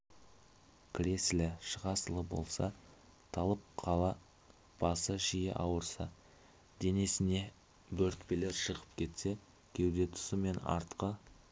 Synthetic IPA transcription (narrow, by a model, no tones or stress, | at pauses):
kʲʰɾʲe̞slɪʃəʁɑsəlˠəbo̞̰lˠsɑ | t̪ʰɑlˠəp̚qʰɑlˠɑ | b̥ɑsəʒijɪ̰ʔɑwəɾsɑ | d̪e̞nesɪne̞ | bɵɾt̪pele̞ɾʃəʁəp̚kʲʰe̞t̪se̞ | kʲʰe̞wd̪e̞t̪ʰʊ̥səme̞nɑ̰ɾt̪qə